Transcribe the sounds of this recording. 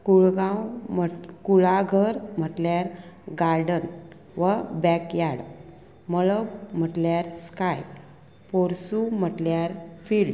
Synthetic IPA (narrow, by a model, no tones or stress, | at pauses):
kuɭɡãwməkuɭaɡʱəɾm̤əʈljaɾɡaɾɖən | ʋəbɛkjaɽ | məɭəbm̤əʈljaɾskaj | poɾsum̤əʈljaɾfilɖ